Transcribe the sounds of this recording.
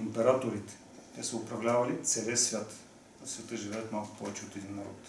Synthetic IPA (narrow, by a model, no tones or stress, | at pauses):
impɛɾat̪oɾit̪ɛ̥ | t̪ɛsəʊpɾɐvlʲavɐlit̪sɛləsvʲjat̪ | svʲɛt̪ɤʒivɛjɐt̪malˠkʊ̥pɔvɛt͡ʃɛot̪ɛd̪inːɐɾɔ̰t̪